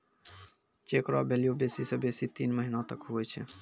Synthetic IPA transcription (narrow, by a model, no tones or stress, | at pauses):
t͡ʃekɾa̰bʱelijobesisə̃besit̪inməɦinat̪əkɦoɛt͡ʃʰɛ̰